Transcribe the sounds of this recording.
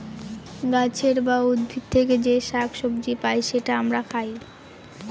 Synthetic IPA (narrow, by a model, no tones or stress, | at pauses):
ɡat͡ɕʰeɾbaud̪bʱit̚t̪ʰeked͡ʑeʃakʃobd͡ʑipajʃeʈaamɾakʰaj